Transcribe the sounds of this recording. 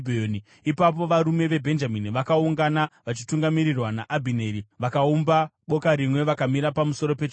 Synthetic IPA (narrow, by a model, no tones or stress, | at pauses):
bʱeoni | ipap̬o̞ʋaɾume̞ʋe̞bʱe̞nd͡ʒaminiʋakauŋɡanaʋat͡ʃituŋɡamiɾirwanaʔabʱine̞ɾiʋakaumbaɓo̞kaɾimwe̞ʋakamiɾapamuso̞ɾo̞pe̞t͡ʃ